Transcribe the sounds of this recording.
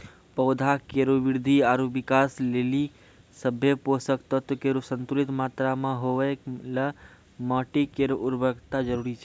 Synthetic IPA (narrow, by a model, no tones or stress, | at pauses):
pəwd̪ʱakeɾoʋɪɾd̪ʱiaɾuʋɪkasleli | səbʱjeposəkt̪ət̪əkeɾusə̃nt̪ulit̪maːt̪ɾamãɦoʋəklə | məːʈikeɾoʔuɾbʱəɡt̪ad͡ʒəɾuɾit͡ʃʰɛ